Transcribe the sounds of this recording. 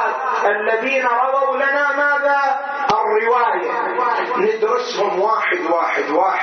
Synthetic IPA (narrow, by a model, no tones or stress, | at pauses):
ʔalːaðiːnaɾˤɑwawlanamaːða | ʔɪrːɪwaːja | nɪd̪ɾʊshʊmwaːħɪd̪waːħɪd̪waːħ